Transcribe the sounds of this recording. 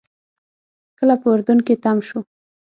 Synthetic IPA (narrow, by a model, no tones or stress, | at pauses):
kəlapəʊɾd̪uŋket̪amʃu